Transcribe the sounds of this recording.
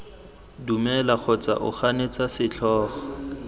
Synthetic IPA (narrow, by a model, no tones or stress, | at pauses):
dumɛlak͡xʰɔt͡sa̰ʔʊ̰χanet͡sasɪt͡ɬʰɔːχɔ̥